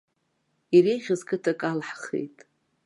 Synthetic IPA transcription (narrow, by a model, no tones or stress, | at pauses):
ireʁʲɪzkʼɨtʰakʼalħχḛjtʼ